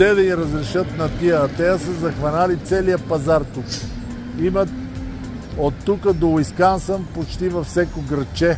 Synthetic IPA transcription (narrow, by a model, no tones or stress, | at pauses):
ɛd̪ɐiɾəzɾɛʃət̪nɐt̪iət̪ɛəsəzɐxvɐnalit̪sɛlijəpɐzaɾt̪uk | imɐt̪ | ot̪ːukəd̪oiskansəmpot͡ʃt̪ivɐfsʲɛkoɡɾət͡ʃɛ